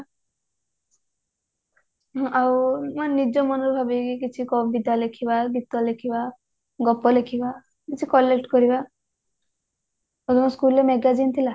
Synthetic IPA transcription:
ʔawmanid͡ʒɔmɔnɔɾubʱabikikit͡ʃʰikɔbid̪alekʰibaɡit̪ːɔlekʰiba | ɡɔpːɔlekʰiba | kit͡ʃʰikɔlːekʈkɔɾiba | od̪ɔmɔskulːemeɡad͡ʒint̪ʰila

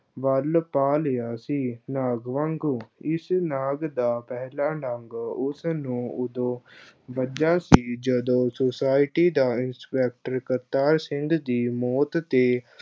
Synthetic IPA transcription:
ʋəlpaːlejaːsiːnaːɡʋəŋɡuɪsnaːɡd̪aːpɛːlaːnəŋɡʊsnũːʊd̪õːbəd͡ʒaːsiːd͡ʒəd̪õːsosaːɪʈiːd̪aːɪnspɛːk̚ʈəɾkət̪aːɾsɪŋɡd̪iːmɔːt̪t̪eː

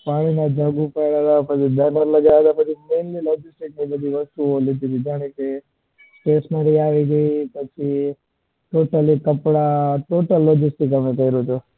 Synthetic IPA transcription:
paːɽ̃inad͡ʒaɡupəjɽad̪apət͡ʃʰid̪ənəɾləɡaad̪apət͡ʃʰimeːnlilod͡ʒisʈik̚mebəd̪ʱiʋɐst̪uolid̪ʱit̪id͡ʒaɽ̃ẽke | pesmaɾiaːʋiɡəipət͡ʃʰi | ʈoːʈəlikɐpɽaʈoːʈəlːɔːd͡ʒisʈɪkɐmet̪əiɾot͡ʃo

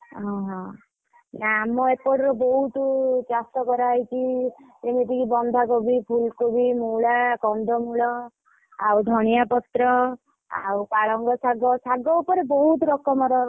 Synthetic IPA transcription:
ɦɔ̃ɦɔ̃ | namɔepɔɽiɾɔbɔɦut̪d͡ʒast̪ɔkɔɾajt͡ʃid͡ʒemet̪ikibɔnd̪ʱakobipʰulkobimuɭakɔnd̪ʱɔmuɭɔ | awd̪ʱɔɽ̃ijapɔt̪ɾɔ | a̰wpaɭɔŋɡɔsaɡɔsaɡɔupɔɾebɔɦut̪ɾɔkɔmɔɾɔ

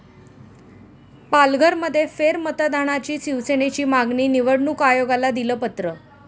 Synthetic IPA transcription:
palɡʱəɾməd̪ʱːjefeɾmət̪ad̪ʱaɽ̃at͡ɕiːsiʋsenet͡ɕiːmaɡniːniʋəɽɳukajoɡalad̪iləːpət̪ɾə

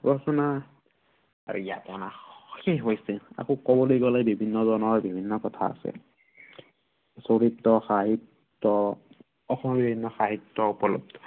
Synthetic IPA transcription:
bɔsɔna | a̰ɹ̰ija̰tɔnaxeɦojsia̰kokɔbɔlojɡɔlabibʱinːɔzɔnɔɦɔbibʱinːɔkɔtʰa̰a̰sɛ̰ | soɹitːɔxaɦitː | ɔ | ɔxɔmɔbibʱinːɔxaɦitːɔupɔlɔ̰b̚tɔ̥

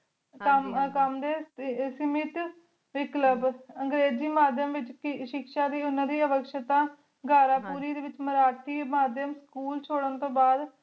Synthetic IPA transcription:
əmkəmd̪eːsəmɪt̪ | ʋɪkləbəŋɡɾeːd͡ʒiːmaːd̪jəmʋɪt͡ʃkʃɪkʃaːd̪iːʊnːãd̪iːəʋəkʃət̪ãː | ɡaːɾaːpuːɾiːd̪eːʋɪt͡ʃməɾaːʈʰiːmaːd̪jəmskuːlt͡ʃʰoːɽənt̪õːbaːd̪

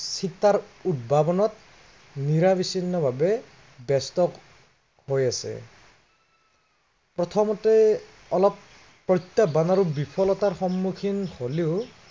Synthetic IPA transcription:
sitaɹut̚bʱabɔnɔt̚ | niɹabisinːɔbʱabɛ | bɛstɔk | hojasɛ̰ | pɹɔt̪ʰɔmɔtɛ | ɔlɔpː | ɹɔjt̪ːabanaɹubipʰɔlɔtaɹxɔmːukʰinholeʊ

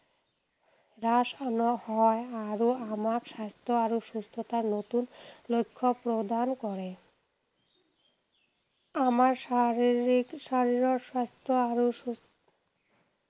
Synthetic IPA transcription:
ɾaʃanohɔeaɾoamakʃast̪ʰoaɾoʃust̪ʰot̪aɾnot̪unlojkʰːopɾod̪ankɔɾe | amaɾ | iʃaɾiɾoʃast̪ʰoaɾoʃu

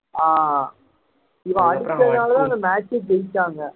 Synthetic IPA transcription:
aː | ɪʋɐ̃ɐɽɪkːɾɐðnaːlɐt̪ãːɐnd̪ɐmaːt͡ʃːetɛjtːaːŋɡɐ

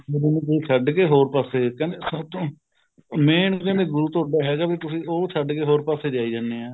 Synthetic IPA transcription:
oɾenũːk̪iːt͡ʃʰəɖkeːɦoːɾpaːseːkɛ̃ːnd̪eːsəbt̪õː | meːɳkɛ̃ːnd̪eːɡʊɾuːt̪oːɖaːɦɛːɡaːbiːt̪ʊsĩːoːt͡ʃʰəɖkeːɦoːɾpaːseːd͡ʒaːiːd͡ʒãːneːaː

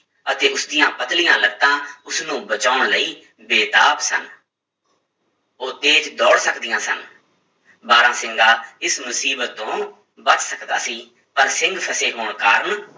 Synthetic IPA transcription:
ət̪eːʊsd̪ɪjãːpət̪lɪjãːləɡt̪ãːʊsnũːbət͡ʃaːʊɳləiː | beːt̪aːpsə̰n | oːt̪eːt͡ʃd̪ɔːɽsəkd̪ɪjãːsən | baːɾãːsɪŋɡaːɪsmʊsiːbət̪ːõː | bət͡ʃsəkd̪a̰ːsiː | pəɾsɪ̃ŋɡpʰəseːɦoːɳkaːɾən

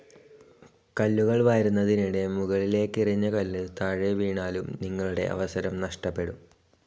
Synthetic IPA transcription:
kɐlːuɣɐɭʋɐjɾunːɐðiniɽe̞muɣɐɭile̞ːkːiriɲːɐkɐlːɨt̪ɐɻeʋiːɳaːlumniŋːɐɭuɽe̞̰ʔɐ̰ʋɐsɐɾɐmnɐʂʈɐpːe̞ɽum

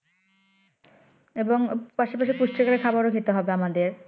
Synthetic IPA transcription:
eboŋpaʃapaʃipuʃʈɾikaɾekʰabaɾokʰit̪oɦɔbeamad̪eɾ

